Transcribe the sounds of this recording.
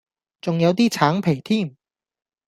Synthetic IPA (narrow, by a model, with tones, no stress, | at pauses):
t͡sʊ˨ŋjɐ˨˧wt̪̬iː˥t͡sʰaː˨˥ŋpʰe˨˩jt̪ʰiː˥˩m